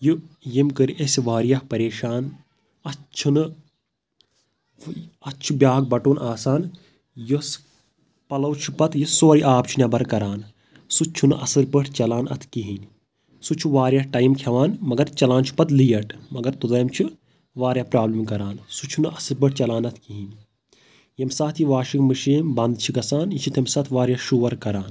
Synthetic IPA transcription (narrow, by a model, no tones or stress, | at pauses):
jujimkɨɾiʔesʋaːɾjahpɐɾeːʃaːn | ɐt͡ʃʰunɨ | ɐt͡ʃʰubjaːɡ̚bɐʈoːnaːsaːn | jos | pɐlɐwt͡ʃʰupɐt̪jisoːɾiʔaːpt͡ʃʰunʲɐbɐɾkɐɾaːn | sut͡ʃʰunɨʔɐsɨɾpəʈʰt͡ʃɐlaːnɐ̰t̪ʰkiɦinʲ | sut͡ʃʰuʋaːɾjaʈɐjmkʰɐʋaːnmɐɡɐɾt͡ʃɐlaːnt͡ʃʰu̥pɐt̪lijɐʈʰmɐɡɐɾt̪ud̪ɐːmt͡ʃʰi | ʋaːɾjaːpɾaːblimkɐɾaːnsut͡ʃʰunɨɐsɨɾbɨʈ̚ʰt͡ʃɐlaːnɐt̪ʰkiɦin | jɐmsaːt̪ʰjiʋaːʃikmɨʃiːmbɐnd̪t͡ʃʰiɡɐsaːnjit͡ʃʰit̪ʰɐmsɐt̪ʰʋaːɾjaʃuʋɐɾkɐɾaːn